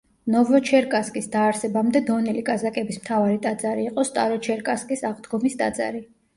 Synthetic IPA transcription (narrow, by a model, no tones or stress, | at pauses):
nɔvɔt͡ʃʰɛɾkʼaskʼisd̪aːɾsɛbamd̪ɛd̪ɔnilikʼazakʼɛbismt̪ʰavaɾit̪ʼad̪zaɾiːqʼɔst̪ʼa̰ɾɔt͡ʃʰɛɾkʼaskʼisaʁd̪ɡɔmist̪ʼa̰d̪za̰ɾi